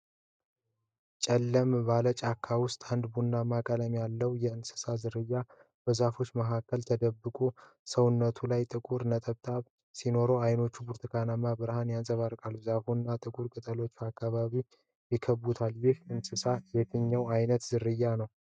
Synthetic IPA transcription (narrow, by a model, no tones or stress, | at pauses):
t͡ʃʼɛlːəmbalət͡ʃʼakʰːawʊst̪ʼand̪bunːamakʼələmjalːəwjɛɨnsɨ̥sazɨɾɨjːa | b̥əzafo̞t͡ʃːməɦakːəlt̪ʰəd̪əbːɨkʼu | səwʊnːət̪ʰulajt̪ʼɨkʼuɾnət̪ʼəβt̪ʼaβ | sino̞ɾoajno̞t͡ʃːubuɾt̪ʰɨkʰanamabɨɾhanjansʼəβaɾkʼalːuzafunːat̪ʼɨkʼuɾkʼɨt̪ʼəlo̞t͡ʃːuakːaβaβi | jɪkʰəbut̪ʰaljɪhɨnsɨsajɛt̪ʰɨɲːəwajnət̪zɨɾɨjːanəw